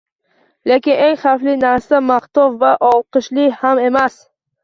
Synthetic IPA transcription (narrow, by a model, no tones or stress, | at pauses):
lekʲɪne̞ŋχaflɪnaɾsamaχt̪ɒvvaʔɒlˠqɨʃlɪhame̞mas